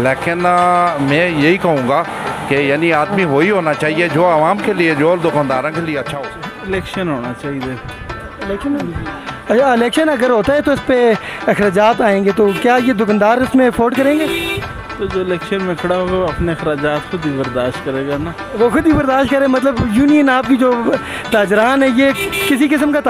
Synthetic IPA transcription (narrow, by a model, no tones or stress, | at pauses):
leːkɪnmɛ̃ːjeɦikɐɦũːŋɡaː | kejaːniaːd̪miɦoːiɦoːnat͡ʃaːɦied͡ʒoːəʋaːmkelied͡ʒoːld̪ʊkaːnd̪aːɾãkelieɐtːʃʰaɦoːɪlɛːkʃənɦoːnat͡ʃaːɦid̪eː | ɪlɛːkʃənɦoːɐt͡ʃʰaɪlɛːkʃənɐɡəɾɦoːt̪aɦɛt̪oɪspeɐxɾaːd͡ʒaːt̪aːẽːŋɡet̪okjaːjed̪ʊkənd̪aːɾɪsmẽɐfʰoːɾɖkɐɾẽːŋɡeː | t̪od͡ʒoːɪlɛːkʃənmẽkʰɐɽaɦoːɡaɐpneɐxɾaːd͡ʒaːt̪xʰʊd̪ibɐɾd̪aːʃt̪kɐɾeːɡanaː | ʋoxʊd̪bibɐɾd̪aːʃt̪̚kɐɾẽːmɐt̪̬ləbjuːnijənaːp̚kid͡ʒoː | t̪aːd͡ʒɾaːnɦɛ̃jekɪsikɪsəmkat̪